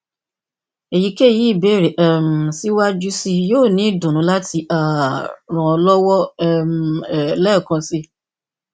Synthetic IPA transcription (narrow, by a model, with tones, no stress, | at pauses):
e˨ji˨˧˦ke˦˨ji˨˦˨be˦˨ɾe˨ʔɛ˦˨m̩˨si˦wa˦d͡ʒu˦si˧joː˦˨nĩ˨˦˨dũ˨ñũ˨˦la˦ti˧ʔa˨ɾ̃ã˨ɔ˧lɔ˦wɔ˦m˨lɛ˦˨kã˧si˧